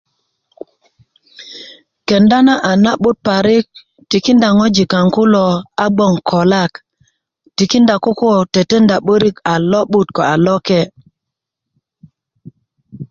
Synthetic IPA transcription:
ke˨nda˦na˦ʔa˨na˦ɓu˦t̚pa˨ɾi˦k̚ | ti˨ki˦nda˨ŋo˦d͡ʒi˨ka˨ŋku˦lo˨a˦ɡ͡bo˦˨ŋkʰo˨la˦˨k | ti˨ki˦nda˨ko˦ko˦te˨te˦nda˨ɓo˦ɾi˦ka˨lo˦ɓu˦tko˨a˨lo˦ke˦˨

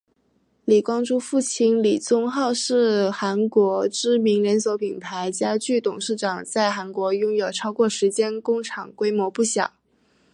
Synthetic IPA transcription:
li˨˩kwɑ˥ŋʈ͡ʂu˥fu˥˩t͡ɕʰi˥nli˨˩t͡sʊ˥ŋxɑ˥˧ʊʂɻ̩˥˩xa˧˥nkwɔ˧˥ʈ͡ʂɻ̩˥mi˧˥ŋɻə˧˥nswɔ˧˥pʰi˨˩np̪ʰa˧˥ɪt͡ɕja˥t͡ɕy˥˩t̪ʊ˨˩ŋʂɻ̩˥˩ʈ͡ʂɑ˨˩ŋt͡sa˥˩ɪxa˧˥nkwɔ˧˥jʊ˥ŋjo˨˩ʊʈ͡ʂʰɑ˥ʊkwɔ˥˩ʂɻ̩˧˥t͡ɕjɛ˥nkʊ˥ŋʈ͡ʂʰɑ˨˩ŋkwe˥ɪmwɔ˧˥pu˥˩ɕjɑ̰˨˩˦

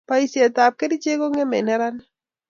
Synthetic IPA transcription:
pa˦i˨sje˨t̪a˨p̚ke˦di˦t͡ʃe˦ko˦ŋɛ˦mɛ˨nɛ˦ɾa˦n˦

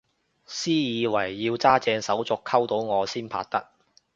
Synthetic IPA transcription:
siː˥jiː˨˧wɐ˨˩jːiː˧wt͡saː˥t͡sɛː˧ŋsɐ˨˥wt͡sʊ˨kʰɐ˥wt̪o˨˥wŋɔː˨˧siː˥npʰa̰ː˧t̚t̪ɐ˥k̚

